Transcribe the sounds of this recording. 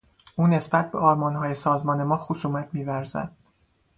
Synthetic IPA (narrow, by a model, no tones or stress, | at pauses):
ʔuːne̞sbæt̪̚beʔɒːɾmɒnɦɒːje̞sɒːzmɒːne̞mɒːxosuːmæt̪ʰmiːvæɾzæ̰d̪̥